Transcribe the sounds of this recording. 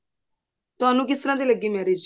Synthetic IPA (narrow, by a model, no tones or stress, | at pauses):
t̪ʊaːnũːk̬ɪst̪əɾãːt̪iləɡːimɛːɾeːd͡ʒ